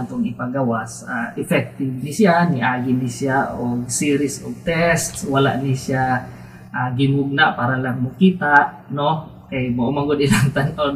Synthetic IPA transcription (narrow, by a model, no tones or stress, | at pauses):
nt̪ɔŋipaɡawasa̰ɛfɛk̚t̪ivnisianiʔaɡinisiaʔɔɡsiɾisɔf̚t̪ɛst̪swala̰ʔnisia | ʔaɡimuɡ̚naʔpaɾanlaŋmukit̪aʔ | nɔ | kajboʔomaŋɡɔdilant̪anɔ